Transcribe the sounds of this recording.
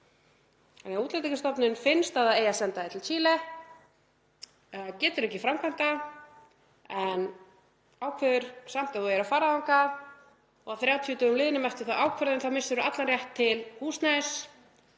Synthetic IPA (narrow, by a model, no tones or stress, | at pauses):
anɛauːt̪lɛt̪ikɪst̪ɔpnʏnfɪnst̪aðaejasɛnt̪aɪt̪ʰɪlt͡ɕʰiːlɛ | cɛːt̪ʏɾɛhcːɪfɾawmkʰant̪a | ɛn | aːwkʰvɛðʏɾ̥sam̥t̪aðθujɛɾafaːɾaðaŋka | ɔɣaθɾjaːwt̪ʰiʏt̪œːʏmlɪːðɪnʏmɛr̥t̪ɪ̥θawʔaːwkʰvɛɾðɪnθawmɪsʏɾʏat̪lanrjɛht̪ʰːɪlhuːsnajs